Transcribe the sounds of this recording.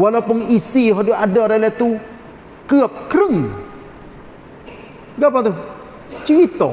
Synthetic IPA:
walapuŋisiɦɔduʔadɔɾalɛt̪u | kɨəp̚kɾəŋ | ɡapat̪u | t͡ʃiit̪ɔ

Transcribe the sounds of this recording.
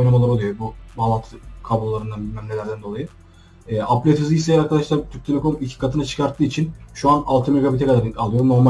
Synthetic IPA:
jnamalˠaɾoujo̞bubalˠat̪ʰɯkʰabllˠaɾɯnd̪anbilʲmæmlʲelʲɾd̪ænd̪o̞lˠajɯ | ɛːʔaplʲet̪ɯzijisejaɾkʰad̪aʃlˠaɾt̪ʰyɾ̚k̚ʲt̪ʰemɛkʰonicʰʲi̥kʰat̪ʰɯnat͡ʃʰɯ̥kʰaɾt̪ʰːɯːit͡ʃʰinʃuanalˠt̪ʰɯmeɡabit̪ʰɛkad̪aɾalˠɯjo̞no̞ɾma

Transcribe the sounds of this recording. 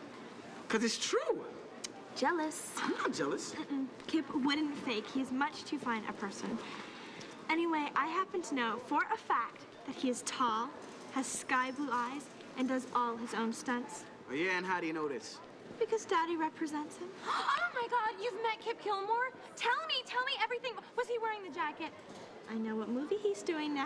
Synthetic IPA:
kʰʌzɨtstʰɹ̥u | d̥ʒ̥ɛlˠəs | anət̚d̥ʒ̥ɛlˠəskʰɪpwʊdⁿn̩feɪkhiɨzmʌt͡ʃtʰɨfãɪ̃nʔɨ̰pʰɜ˞sɨ̰̃n | ɛñiweɪʔaɪɦæpɨ̃n̩tʰɨnoʊfə˞ʔəfæk̚t̪̚ | ðɨt̚hiɨz̥tʰɔlˠ | ɨz̥skaɪbluaɪz | ʔɨ̃ndʌzɔlˠɨzõʊ̃nstʌ̃nts | ojæɨ̃nɦaʊɾɨjɨnoʊɾɨ̰s | b̥ɨkʰʌzdɑɾiɹɛpʰɹɨzɛ̃ntshɨ̃moʊmaɪɡɑdjʉvmɛt̚kʰɪp̚kʰɪlˠmɔɹ | tʰɛlˠmitʰɛlˠmiɛvɹiθɪ̃ŋwʌz̥iwɛɹɪ̃ŋðɨd͡ʒækɨt̚ | ʔaɪnoʊwʌt̚muviizdʉɪ̃ŋn

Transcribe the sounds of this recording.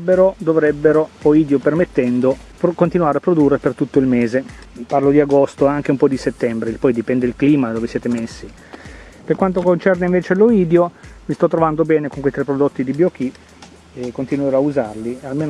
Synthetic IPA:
bːeɾod̪ovɾɛbːeɾooiːd̪jopermet̪ːɛnd̪o | kont̪inuaːɾeapːɾod̪urːepert̪ut̪ːoilmeːzeparlod̪iaɡost̪oaŋk̟eumpɔd̪iset̪ːɛmbɾelpɔjd̪ipɛnd̪eilkliːmad̪oːvesjɛːt̪emesːi | perkwant̪okont͡ʃɛrneiɱveːt͡ʃeloiːd̪jomist̪ɔt̪ːɾovand̪obɛːnekoŋkwejt̪ɾɛpːɾod̪ot̪ːid̪ibjok̟i | ekːont̪inweɾɔauzarlialmeːn

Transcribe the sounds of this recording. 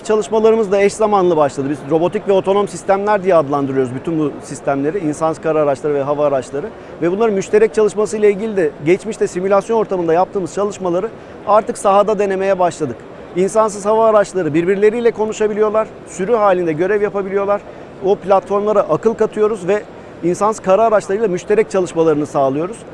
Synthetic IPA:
t͡ʃʰalˠɯʃmalˠaɾɯmɯzd̪aɛʃzamanlˠɯbaʃlˠad̪ɯbizɾo̞bo̞t̪icvɛo̞t̪ʰo̞no̞msist̪ʰæmlʲæɾd̪ijɛad̪lˠand̪ɯɾɯjoɾuzbyt̪ʰynbusist̪ʰæmlʲe̞ɾiinsanskʰaɾaːɾat͡ʃlˠaɾɯvɛɦavaːɾat͡ʃlˠaɾɯ | vɛbunlˠaɾɯnmyʃt̪ʰe̞ɾɛc̚t͡ʃʰalˠɯʃmasɯjlˠailʲɟilʲid̪ɛɟɛt͡ʃmiʃt̪ɛsimylʲasjo̞no̞ɾt̪ʰamɯnd̪ajap̚t̪ɯːmɯz̥t͡ʃʰalˠɯʃmalˠaɾɯ | aɾt̪ʰɯksaɦad̪ad̪e̞ne̞me̞jɛbaʃlˠad̪ɯk | insansɯz̥havaːɾat͡ʃlˠaɾɯbiɾbiɾlʲe̞ɾijlʲɛkʰo̞nuʃabilʲijo̞lˠaɾ̥ | syɾyɦaːlʲind̪ɛɟø̞ɾɛvjapabilʲijo̞lˠaɾ̥ | oplʲat̪fo̞ɾmlˠaɾaʔakɯlˠkat̪ʰɯjo̞ɾuzvɛ | insanskʰaɾaːɾat͡ʃlˠaɾɯjlˠamyʃt̪ʰe̞ɾɛc̚t͡ʃʰalˠɯʃmalˠaɾɯnɯsaːlˠɯjo̞ɾuz̥

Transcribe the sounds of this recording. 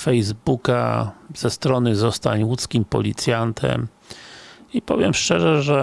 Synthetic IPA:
fɛjzbuka̰z̥ɛst̪ɾɔnɘzɔst̪aɲwut̪skʲimpɔ̰lʲit̪sʲjant̪ʰɛ̰m | ipɔ̰vʲjɛmʂt͡ʂɛʐɛʐɛ

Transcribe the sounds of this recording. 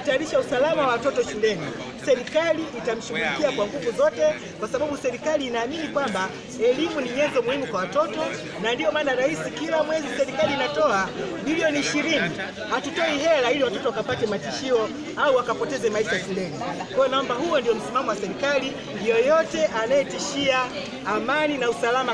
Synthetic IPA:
taɾiʃausalamawawatɔtɔʃulɛni | sɛɾikaliʔːtam̩ʃuɡulikiakwaŋɡuvuzɔtɛ | kwasaɓaɓusɛɾikaliːnaːminikwamba | ɛlimuniɲɛnzɔmuhimukwawatɔtɔ | nandijɔmaːnaɾahisikilamwɛzisɛɾikaliːnatɔaɓiliɔniːʃiɾini | hatutɔiɦɛlailiwatɔtɔwakapatɛmatiʃiɔ | auwakapɔtɛzɛmaiʃajafilɛnikwɛjɔnaɔmbaɦujɔndijɔm̩simamɔwasɛɾikali | ndijɔjɔtɛʔanajɛtiʃiaː | maninausalama

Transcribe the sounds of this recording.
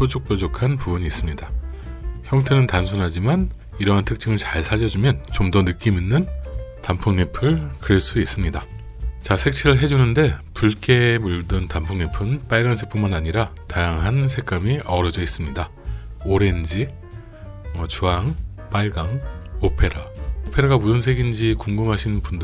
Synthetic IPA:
sʰot͡ɕʰok̚p͈od͡ʑokʰanpubuɲiːs͈ɯmɲida | çjʌŋtʰe̞nɯntansʰunɦad͡ʑiman | iɾʌɦantʰɯk̚t͡ɕ͈ʰiŋɯɭt͡ɕaɭsʰaʎːʌd͡ʑumjʌnt͡ɕomdʌnɯk͈iminːɯntampʰuŋnepʰɯɭkɯɾeɭs͈uis͈ɯmɲida | t͡ɕasʰe̞k̚t͡ɕʰiɾɯɭɦe̞d͡ʑunɯnde̞puɭk͈e̞muɭdɯntampʰuŋnepʰɯnp͈aɭɡansʰek̚p͈unmanaɲiɾatajaŋɦansʰe̞k͈amiʔʌɾʌd͡ʑʌis͈ɯmɲida | oɾe̞nd͡ʑi | ʌt͡ɕuaŋp͈aɭɡaŋopʰe̞ɾaopʰe̞ɾaɡamusʰɯnsʰe̞ɡind͡ʑikuŋɡɯmɦaɕʰinbund

